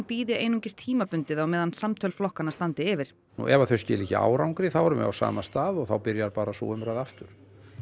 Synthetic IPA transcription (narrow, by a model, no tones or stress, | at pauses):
npiːðɪʔeːjnuŋcɪst̪ʰiːmapʏnt̪ɪðawmɛːðansamt̪ʰœlflɔhkanast̪ant̪ɪɪvɪɾ̥ | nṵʔɛvaθœɥscɛːliːcɪa̰ːwɾawŋkɾɪθawaɾʏmɛ̰a̰wsa̰ːmast̪aːðɔɣθawpɪɾjaɾpaːɾasɔ̰ʏmɾaːjðaft̪ʏɾ̥